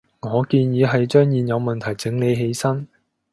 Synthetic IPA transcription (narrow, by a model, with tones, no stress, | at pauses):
ŋɔː˨˧kiː˧njiː˨˧˥ɦɐ˨jt͡ʃœː˥ŋjiː˨njɐ˨˧wmɐ˨nt̪ʰɐ˨˩jt͡sɪ˨˧˥ŋne˨˧jɦe˨˥jsɐ˥n